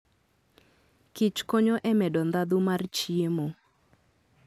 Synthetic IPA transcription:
kit͡ʃkoɲoʔɛmɛdɔnd̪ad̪umart͡ʃiemo

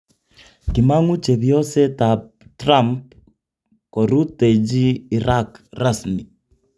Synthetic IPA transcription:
kimaŋut͡ʃɛβjɔsɛta | tɾamp | kɔɾuted͡ʒiːɾakrasmi

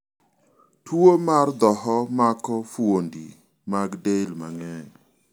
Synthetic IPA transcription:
tʰwomard̪ɔhɔmakɔfwondḭ | maɡdelma̰ŋɛ

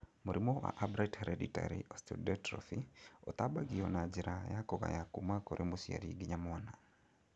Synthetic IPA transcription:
moɾʔimowa̰ʔabɾathɛɾɛdita̰ɾiʔɔstṵdɛtɾɔ̰fiot̪abaɡiɔnad͡ʒɪɾʔajakɔka̰jakumakoɾʔemosia̰ɾḭɡɪɲamʊana

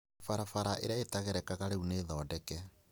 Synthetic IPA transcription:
faɾafaɾaʔḛɾjaetaɣeɾɛkaɣaɾeuneːðɔːdɛkɛ

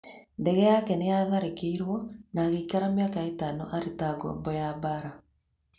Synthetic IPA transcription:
ndɛɣɛjakɛnejaðaɾekeiɾwɔnaːɣeikaɾamjakaetaːnɔʔaɾetaɡo̰ːmbɔjabaɾa

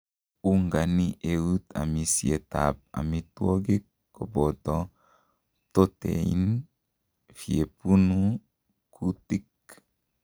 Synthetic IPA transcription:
uŋɡaniʔeut̪a̰misiet̪a̰p̚a̰mit̪woɡikː | obot̪ɔ | t̪ot̪ḛin | fiepunu | kʰutik

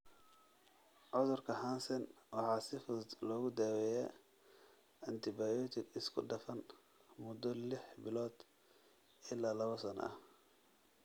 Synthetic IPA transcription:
ʕʊðʊrkʰɐhaːnsɐnwɑħɑːsɪfʊðd̪lɔːɣʊd̪aːwɛjɛ̰ | ɪnt̪ʰɪbaːjɔt̪ʰɪɡɪskʰʊɖɐfɐn | mʊd̪ɔlɪħbɪlɔːd̪̥ | ʔɪlːaːlɐβɐsɐnɐ̰ɐh

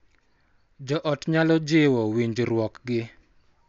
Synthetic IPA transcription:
d͡ʒɔʔɔtɲalɔd͡ʒɪwɔwiɲd͡ʒɾwɔkɡɪ

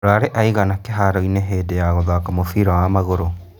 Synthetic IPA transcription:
ɾaɾeʔaiɣanakeɦaɾɔineɦeːdejaɣɔðakamofiːɾawamaɣoɾo

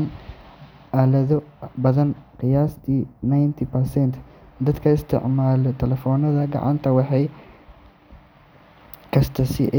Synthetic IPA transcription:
n | ʔaːlɐðɔbɐðɐnqɪjaːst̪ʰiːnajnt̪ʰipɐrsɛnt̪ʰd̪ɐd̪kʰɐɪst̪ʰɪ̰ʕmaːlɔt̪ʰɛlɛfɔːnɐðɐɡɑ̰ʕɑ̰nt̪ʰɐwɑħɑj | kʰɐst̪ʰɐsɪʔ

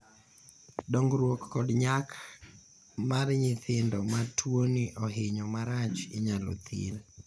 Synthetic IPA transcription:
doŋɡɾwokːɔdɲak | marɲɪt̪ʰɪndɔmatʰwoniʔoɦɪɲɔmaɾat͡ʃḭɲalɔ̰t̪ʰɪ̰l

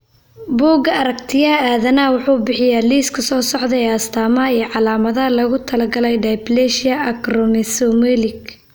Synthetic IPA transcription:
buːɡɐɐɾɐkt̪ʰɪjɐaːðɐnɐwʊħuːbɪħɪjaːliːskʰɐsɔːsɔʕd̪ɐɛːɐst̪ʰaːmɐiːʕɑlaːmɐðɐlɐɣʊt̪ʰɐlɐɡɐlɛjɖajblɛʃɪɐʔɐkrɔmɪsɔmɛlɪk

